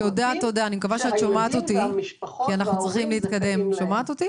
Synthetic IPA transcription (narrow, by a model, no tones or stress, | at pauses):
odat̪odaːnimekavaʃeat̪ʃomat̪ot̪ikianaχnut͡sʁiχimleiit̪kad̪e̞mʃomaːt̪ot̪i